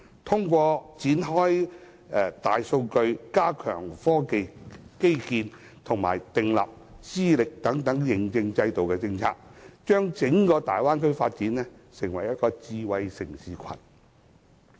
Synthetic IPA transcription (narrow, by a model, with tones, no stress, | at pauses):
t̪ʰʊ˥ŋkʷɔː˧t͡siː˨˥nɦɔː˥j | ɛ˨˧t̪aː˨jso˧wkɵ˧ɥkaː˥kʰœ̰ː˨˩ŋfɔː˥ke˨jke˥jkiː˧n | t̪ʰʊ˨˩ŋma̰ː˨˩jt̪ɪ˨ŋlɐ̰˨p̚ | t͡siː˥lɪ˨k̚t̪ɐ˨˥ŋt̪ɐ˨˥ŋjɪ˨˩ŋt͡sɪ˧ŋt͡sɐ˧jt̪o˨wkɛː˧t͡sɪ˧ŋt͡sʰaː˧k̚t͡ʃœː˥ŋt͡sɪ˨˥ŋkɔː˧t̪aː˨jwaː˥nkʰɵ˥ɥfaː˧t̚t͡siː˨˥nɛ˥sɪ˨˩ŋwɐ˨˩jɐ˥t̚kɔː˧t͡siː˧wɐ˧jsɪ˨˩ŋsiː˨˧kʷʰɐ̰˨˩n